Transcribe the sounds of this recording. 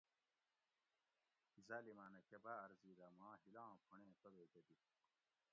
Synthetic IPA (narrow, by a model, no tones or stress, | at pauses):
zaːlimaːnɐkɐbaːɾziːd̪amãːɦilãːpʰuɳẽːk̪ɐbeːd̪ɐd̪i